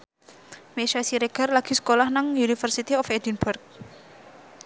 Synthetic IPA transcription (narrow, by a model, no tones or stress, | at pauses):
meʃasiɾeɡ̥a̤rlaɡ̥i̤sə̥kolahnaŋunifərsit̪iɔfed̪inbʊrk̚